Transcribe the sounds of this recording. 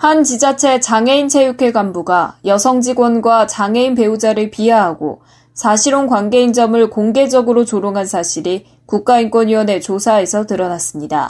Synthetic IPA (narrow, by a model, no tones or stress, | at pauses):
hant͡ɕid͡ʑat͡ɕʰe̞t͡ɕaŋe̞int͡ɕʰe̞jukʰe̞ɡambuɡajʌsʰʌŋd͡ʑiɡwʌnɡwat͡ɕaŋɦe̞inpe̞ud͡ʑaɾɯɭpiaɦaɡo̰ | sʰaɕʰiɾonkwanɡe̞ind͡ʑʌmɯɭkoŋɡe̞d͡ʑʌɡɯɾot͡ɕoɾoŋɦansʰaɕʰiɾi | kuk̚k͈ainkwʌniwʌne̞t͡ɕosʰae̞sʰʌtɯɾʌnas͈ɯmɲida̰